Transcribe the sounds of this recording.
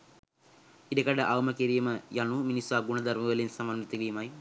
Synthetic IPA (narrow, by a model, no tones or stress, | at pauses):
idɐkɐɽɐʔawmɐkeɾijɐmɨjɐɳuminisuaɡuɳɐd̪ɐrmɐɣɐlinsɐmɐnnit̪ːuɣɐjumaːji